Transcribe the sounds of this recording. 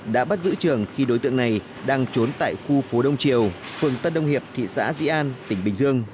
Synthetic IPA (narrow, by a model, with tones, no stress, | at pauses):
ɗa̰ː˧˥ɓa˦˥t̚zɨ̰˧˥t͡ɕɨ˨˩əŋxi˧ɗo˨˦jt̪ɨ̰˧˨əŋna˨˩j | ɗaː˧ŋt͡ɕo˨˦nt̪a̰ː˧˨jxu˧fo˨˦ɗə˧wŋ͡mt͡ɕi˨˩əwfɨ˨˩əŋt̪ə˧nɗə˧wŋ͡mhi˨˩əp̚t̪ʰḭ˧˨sa̰ː˧˥zḭ˧˥ʔaː˧nt̪ï˧˩ŋ̟ɓï˨˩ŋ̟zɨ˧əŋ